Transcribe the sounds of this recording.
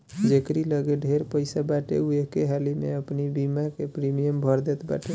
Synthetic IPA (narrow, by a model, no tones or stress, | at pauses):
d͡ʒekɾiləɡeɖʱeɾpəɪsabaʈḛuekeɦalimḛəpnibimakepɾimijəmbʱəɾd̪et̪ba̰ʈe